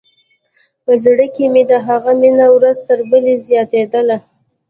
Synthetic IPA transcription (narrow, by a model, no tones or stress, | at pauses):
pəzɽəkemed̪əɦaɣaminawɾazt̪əɾbəlezjɑt̪ed̪əla